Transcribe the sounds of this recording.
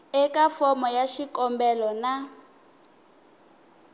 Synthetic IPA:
ɛkafɔmɔjaʃikɔmbɛlɔna

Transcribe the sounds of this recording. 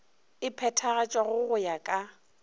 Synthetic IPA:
ɪpʰɛtʰaɣat͡ʃʼwaɣʊɣʊjakʼa

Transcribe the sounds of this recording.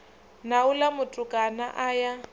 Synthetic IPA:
naulamʊtʼʊkʼana̰ʔaja

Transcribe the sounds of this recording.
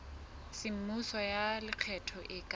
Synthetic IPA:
sɪm̩musɔjalɪq͡χʰɛtʰɔʔɪkʼa

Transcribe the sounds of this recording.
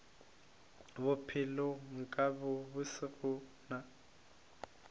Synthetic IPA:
bʊpʰɪloŋ̩kʼabʊbʊsɪrʊna

